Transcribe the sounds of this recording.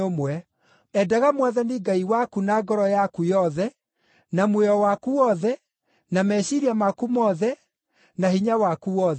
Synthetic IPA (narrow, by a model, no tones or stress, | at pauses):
omwɛ | ɛdaɣamwaðaniɡaiwakunaɡɔɾɔjakujɔðɛ | namweɔwakuɔðɛ | namɛɕiɾiamakumɔːðɛ | nahiɲawakuɔð